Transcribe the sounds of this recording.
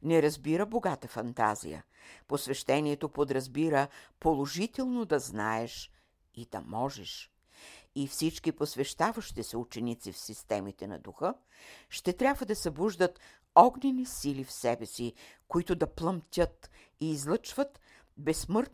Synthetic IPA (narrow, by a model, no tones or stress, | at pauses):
nɛɾɐzbiɾəboɡat̪əfɐnt̪a̰zḭjə̰ | posvɛʃt̪ɛniɛt̪opod̪ɾɐzbiɾəpolˠoʒit̪ɛlˠnod̪ɐzna̰ɛʃ | id̪ɐ̰mɔʒɛʃ | ifsit͡ʃkiposvɛʃt̪avɐʃt̪isɛut͡ʃɛnit̪sifsist̪ɛmit̪ɛnɐ̰d̪uxɤ | ʃt̪ɛt̪ɾʲabvəd̪ɐsɛbuʒd̪ət̪ | ɔɡnʲɛnisilifsɛbɛsikoit̪ʊd̪ɐplˠɐmt̪ʲət̪ | iːzlˠət͡ʃvɐt̪ | bɛsmɤɾt̪